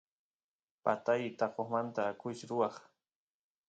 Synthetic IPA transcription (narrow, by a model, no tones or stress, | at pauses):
pat̪ajt̪ɑqoχmant̪aːkʊt͡ʃɾʊwɑχ